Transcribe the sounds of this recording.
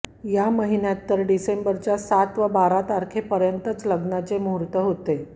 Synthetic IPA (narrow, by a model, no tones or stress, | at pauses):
jaməɦinjat̪ːəɾɖisembəɾt͡ɕjasat̪ʋəbaɾat̪aɾkʰepəɾjənt̪ət͡sləɡnat͡semuɾt̪əɦot̪e